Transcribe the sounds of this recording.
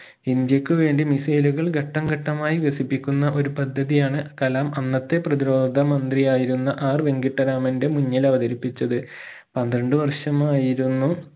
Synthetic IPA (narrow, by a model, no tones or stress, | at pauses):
ind̪jɐkʲːɨʋe̞ːɳɖimisɐjluɣɐɭɡʱɐʈːɐmɡɐʈːɐmaːjibesipːikʲːunːɐʔo̞ɾupɐd̪ʱːɐðijaːɳɨkɐlaːmɐnːɐt̪ːe̞prɐðiɾo̞ːd̪ʱɐmɐnd̪rijaːjiɾunːɐʔaːrʋe̞ŋɡiʈːɐɾaːmɐnde̞muɲːɐlɐʋɐðɐɾipːit͡ɕːɐðɨ | pɐnd̪ɾɐɳɖɨʋɐrʂɐmaːjiɾunːu